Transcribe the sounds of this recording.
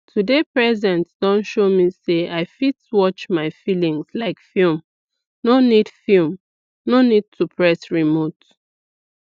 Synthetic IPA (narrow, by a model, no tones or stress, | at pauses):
tʰudepɹɛzɛ̃ntd̥ɔ̃nʃomiseaɪfitwɔt͡ʃmaɪfilĩŋzlaɪkfilm | nonid̥film | nonid̚tʰupʰɹɛsɹimot